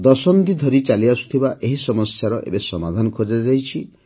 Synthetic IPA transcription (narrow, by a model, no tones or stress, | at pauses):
d̪ɔsɔnd̪id̪ʱɔɾit͡ʃaliasu̥t̪ʰibaʔeɦisɔmɔsjaɾɔʔḛbesɔmad̪ʱanɔkʰod͡ʒad͡ʒajt͡ʃʰi